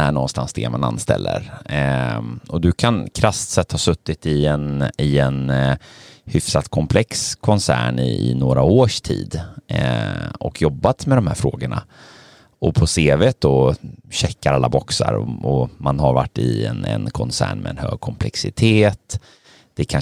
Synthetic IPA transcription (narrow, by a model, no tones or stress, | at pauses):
æɳɔnst̪ansd̪ɛmananːst̪ɛ̰lːə̰ɾ | ɔd̪ɵkʰankʰɾast̪sɛt̪ːhasɵt̪ːɪt̪ɪɛnɪɛn | hʏfsat̪kʰɔmpʰlɛkskʰɔnsæ̰ːɳɪɪ̰noːɾaoːʂtʰḭːd̪ | ɔkʰjɔbːat̪mɛd̪ɔmhæːɾfɾoːɡəɳa̰ | ɔpʰɔseːvet̪̚d̪ɔɕɛkːaɾalːabɔksa̰ɾɔ̰ɔmanɦaɾvaʈːɪɛnɛ̰nkʰɔnsæ̰ːɳmɛɛnhø̰ːɡ̚kʰɔmpʰlɛksɪt̪ʰeːt̪ | d̪̥ɛkʰa